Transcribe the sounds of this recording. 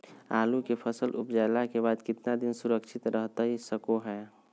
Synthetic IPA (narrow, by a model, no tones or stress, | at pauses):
aːlukepʰəsəlʔʊpd͡ʒaːɪlakeβaːd̪kɪt̪nad̪ɪnsʊɾəkʃʰɪt̪ɾəɦt̪aɦisəkoɦɛː